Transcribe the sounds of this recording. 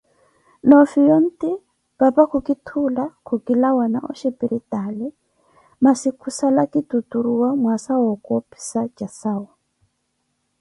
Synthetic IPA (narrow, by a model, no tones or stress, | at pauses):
nɔfijɔn̩tʼi | b̥apakʰukʼitʰulakʰukʼilawanaʔɔ̰ʃɛpiɾitʼalɛ | masikʰusalakʼitutuɾuwamwasawɔkʼɔpʰʼi̥sat͡ʃʼasaːwɔ